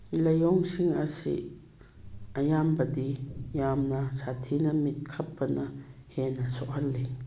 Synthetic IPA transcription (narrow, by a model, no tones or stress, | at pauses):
lɐjɔŋsiŋɐsḭ | ɐjambɐdijamnɐsatʰinɐmit̚kʰɐpːɐnɐhenɐsɔʔhɐllːe